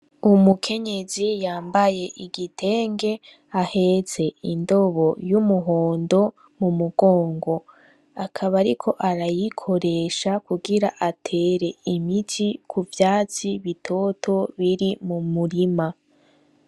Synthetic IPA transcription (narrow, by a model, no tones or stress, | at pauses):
umukʰe̞ɲe̞zijaːmbaje̞ʔiɡitʰe̞ːŋɡe̞ | ahe̞ze̞indo̞βo̞jumuɦoːndo̞ | mumuɡo̞ːŋɡo̞ | akʰaβaɾikʰo̞ʔaɾajikʰo̞ɾe̞ʃakuɡiɾaʔatʰe̞ːɾe̞imitʰikʰuvjaːt͡siβitʰo̞tʰo̞βiɾimumuɾima